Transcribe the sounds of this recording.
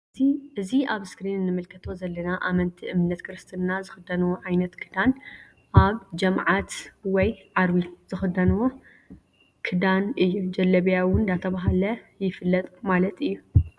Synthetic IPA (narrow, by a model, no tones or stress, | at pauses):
iʔɨziʔaβskɾinnːɨmɨlkʰɐt̪ʰo̞zɐlːɐnaʔamɐnt̪ʰiʔɨmnɐt̪kʰɨɾɨst̪ʰɨnnazɨxɨd̪ɐnuwoʕajnɐt̪kʰɨd̪an | ʔaβd͡ʒɐmʕat̪wɔjʕaɾwiz̥ɨxɨd̪ɐnwo | kʰɨd̪anɨjːud͡ʒɐlɐβjawʊnd̪at̪ʰɐβaɦalɐjɪfɨlːɐt̪ʼmalɐt̪ɨjːu